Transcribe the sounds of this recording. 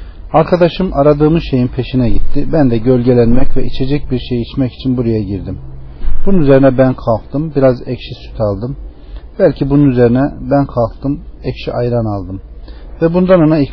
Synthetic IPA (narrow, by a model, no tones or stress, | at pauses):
aɾkʰad̪aʃɯmʔaɾad̪ɯːmɯzʃe̞jinpʰe̞ʃinɛɟit̪ʰːibænd̪ɛɟø̞lʲɟe̞lʲænmɛcvɛit͡ʃʰe̞d͡ʒɛc̚biɾʃejit͡ʃmɛci̥t͡ʃʰinbuɾajaɟiɾd̪imb̥ununyze̞ɾinɛbænkʰalˠk̚t̪ɯmbiɾazɛcʃisy̥t̪ʰalˠd̪ɯm | bælʲcʰibununyze̞ɾinɛbænkʰalˠk̚t̪ɯmɛcʃiʔajɾanalˠd̪ɯmvɛbund̪anonai